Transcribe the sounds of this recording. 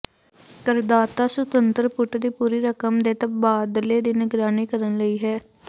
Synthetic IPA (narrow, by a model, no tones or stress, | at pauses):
kəɾd̪aːt̪aːsʊt̪ənt̪əɾpʊʈd̪iːpuːɾiːɾəkəmd̪eːt̪əbaːd̪leːd̪inɪɡɾaːniːkəɾənləiːɦɛː